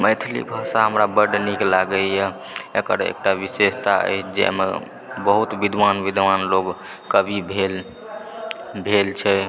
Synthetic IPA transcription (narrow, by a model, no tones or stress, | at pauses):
məɪt̪ʰlḭbʱasaɦəmɾabəɾɖniklaɡəjɛ | ekəɾḛk̚ʈabisest̪aə̰jt͡ʃʰd͡ʒɛ̰mḛ | bəɦut̪bid̪ʱʋanʋid̪ʋanloɡ | kəbʱibʱel | bʱelt͡ʃʰɛ